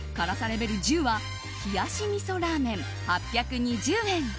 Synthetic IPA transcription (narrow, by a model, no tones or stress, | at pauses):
kaɾasaɾe̞be̞ɾʲid͡ʑɨːβa | çiɡaɕimʲiso̞ɾaːmẽ̞ɴ | hapʲːjakɯ̟ɲ̟id͡ʑɨːẽ̞ŋ